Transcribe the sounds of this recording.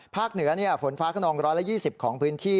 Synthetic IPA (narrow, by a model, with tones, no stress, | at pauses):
pʰaː˥˩k̚nɯ˨˩˦ɐni˥˩ɐfo˩˦nfaː˦˥kʰa˥˩nɔː˧ŋɾɔː˦˥jla˦˥ʔjiː˥˩si˨˩p̚kʰɔː˩˦ŋpʰɯː˦˥nt̪ʰiː˥˩